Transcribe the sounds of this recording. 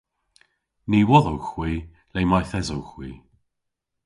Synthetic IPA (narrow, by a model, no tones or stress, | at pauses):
niwɔðɔwxw̥iː | lejmajθɛzowxwiː